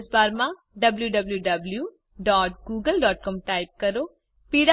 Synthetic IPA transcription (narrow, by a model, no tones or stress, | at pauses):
sbaːɾmã | ɖɐbljuɖɐbljuɖɐbljuː | ɖɔːʈ̚ɡuːɡəlɖɔːʈ̚kɔːmʈaːɪp̚kɐɾoː | piːɽa